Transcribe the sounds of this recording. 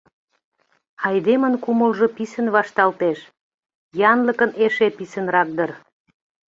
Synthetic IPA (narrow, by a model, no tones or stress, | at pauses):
ɑjd̪emənkuməlʒopisənβɑʃt̪ɑlt̪eʃ | jɑnləkəneʃepisə̆nrɑk̚d̪ər